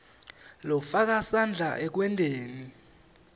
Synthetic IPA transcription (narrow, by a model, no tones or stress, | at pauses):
lɔfak̬asand͡ɮʱaʔɛk̬wɛntʼeːni